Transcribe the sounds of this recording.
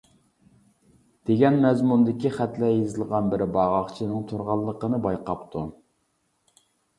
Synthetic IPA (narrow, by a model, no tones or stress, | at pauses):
d̪̥eɡʲɛnmɛzmund̪ɪkʲiχæt̪lɛjizɨlˠʁɑnbɪɾɪbɑʁɑχt͡ʃʰinɨŋt̪ʰuɾʁɑlˠːəqənɨbɑjqɑpt̪ʰu